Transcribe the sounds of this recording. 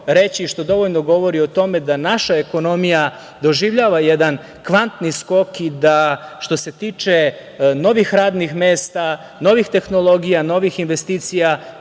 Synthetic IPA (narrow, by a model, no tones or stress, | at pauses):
ɾet͡ɕiːʃt̪o̞d̪o̞ʋoʎno̞ɡo̞ʋo̞ɾio̞t̪o̞me̞d̪anaʃae̞ko̞no̞mija | d̪o̞ʒiʋʎaːʋajed̪an | kʋant̪nisko̞kid̪aʃt̪o̞se̞t̪iːt͡ʃe̞ | no̞ʋixɾaːd̪nixmeːst̪a | no̞ʋixt̪e̞xno̞lˠo̞ɡijano̞ʋixinʋest̪iːt̪sija